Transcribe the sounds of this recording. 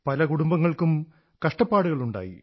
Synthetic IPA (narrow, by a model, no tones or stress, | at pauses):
pɐlɐkuɽumbɐŋːɐɭkum | kɐʂʈɐpːaːɽuɣɐɭuɳɖa̰ːjḭ